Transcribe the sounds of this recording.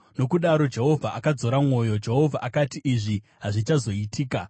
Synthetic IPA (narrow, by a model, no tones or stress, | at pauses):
no̞kuɗaɾo̞d͡ʒe̞ɦo̞vʱaʔakad͡zo̞ɾamwo̞jo̞d͡ʒe̞ɦo̞vʱaʔakatiʔiʐi | ɦaʐit͡ʃazo̞itʰiːka